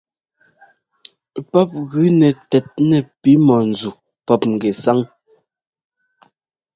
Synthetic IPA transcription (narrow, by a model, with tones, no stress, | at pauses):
pɔ˦p̚ɣʉ˨˦nɛ˨tɛ˨t̚nɛ˨pi˨˦mɔ˨n̩˨d͡zu˨ | pɔ˦p̚ŋ̩˨ɡɛ˨sa˦ŋ